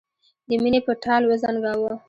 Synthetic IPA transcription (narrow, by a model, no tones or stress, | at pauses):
d̪əminepəʈʰɑlwəzɑnɡɑwə